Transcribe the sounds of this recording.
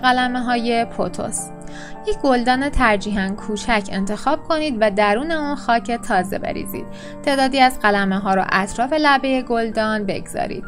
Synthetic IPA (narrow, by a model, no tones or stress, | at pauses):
ɣælæmeɦɒːje̞pʰot̪ʰo̞̰s | jecʰɡ̥o̞ld̪ɒːne̞t̪ʰæɾd͡ʒiːɦænkʰuːt͡ʃʰæcʰe̞̰nt̪ʰe̞xɒːb̥̚kʰo̞niːd̪væd̪æɾuːne̞unxɒːcʰe̞t̪ʰɒːze̞̰be̞̰ɾḭːzḭːd̪̥̚ | t̪ʰe̞ːd̪ɒːd̪iːæzɢælæmeɦɒːɾo̰ʔæt̪ʰɾɒːfe̞læbe̞jeɡo̞ld̪ɒːnbe̞̰ɡz̥ɒ̰ːɾḭːd̪̥̚